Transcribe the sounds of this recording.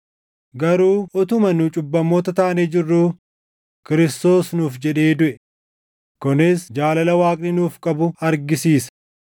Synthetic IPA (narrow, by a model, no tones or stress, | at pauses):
ɡɐɾuːɔt̪ʊmɐnʊt͡ʃʼʊbːɐmːo̞ːt̪ɐt̪aːned͡ʒɪrːuː | kɪɾɪst̪o̞ːsnuːfd͡ʒɛᶑe̞ːd̪ʊʔɛ | kʊnɪsd͡ʒaːlɐlɐwaːkʼnɪnuːfkʼɐbʊɐɾɡɪsiːsɐ̥